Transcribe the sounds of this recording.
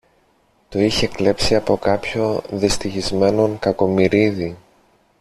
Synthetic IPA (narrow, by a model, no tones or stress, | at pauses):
t̪o̞içekle̞psiɐpo̞kɐpço̞ðist̪içizme̞no̞ŋkɐko̞miɾiði